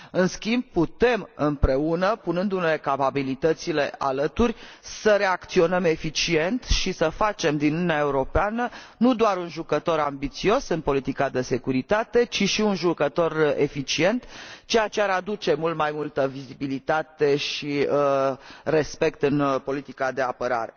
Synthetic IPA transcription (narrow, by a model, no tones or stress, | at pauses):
ɨnskʲimb̚put̪e̞mɨmpɾe̞unəpunɨnd̪unelekapabilit̪ət̪sile̞a̰lət̪urʲsəɾe̞akt̪sio̞nəme̞fit͡ʃie̞nt̪ʃisəfat͡ʃe̞md̪inununeae̞uɾo̞peanənud̪oaɾunʒukət̪o̞ɾambit̪sio̞sɨnpo̞lit̪ikad̪e̞se̞kuɾit̪at̪e̞t͡ʃiʃiunʒukət̪o̞re̞̰fit͡ʃie̞nt̪t͡ʃejat͡ʃeaɾad̪ut͡ʃe̞mult̪majmult̪əvizibilit̪at̪e̞ʃi | re̞spe̞kt̪ɨnpo̞lit̪ikad̪e̞apəɾa̰ɾe̞